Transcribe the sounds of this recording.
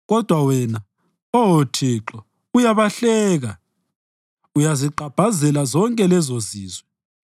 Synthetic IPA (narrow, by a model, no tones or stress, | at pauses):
ɣɔd̥ʱwawɛna | ɔwotʰiːǁɔ | ujaβaɬɛːɣa | ujaziǃʱab̥ʱazɛlazɔŋkʼɛlɛzoziːzwɛ